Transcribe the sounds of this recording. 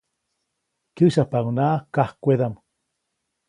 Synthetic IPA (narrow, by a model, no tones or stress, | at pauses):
kɨʃahpaŋnaʔkahkʷeðam